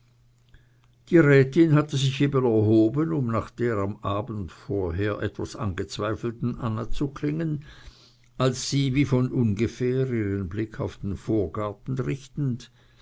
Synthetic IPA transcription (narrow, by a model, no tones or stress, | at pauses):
d̥iːʁɛːtɪnhatəzɪçeːbənɛɐɦoːbənʊmnaːχd̥eːʁamʔaːbən̩tfoːɐɦeːɐʔɛ̰tv̥a̰sa̰nɡət͡sv̥aɪfl̩tn̩ʔanat͡sukʰlɪŋən | ʔalsːiːviːfɔnʔʊnɡəfɛːʁiːʁənblɪkʰa̰ʊfd̥enfoːɐɡaɐtn̩ʁɪçtn̩d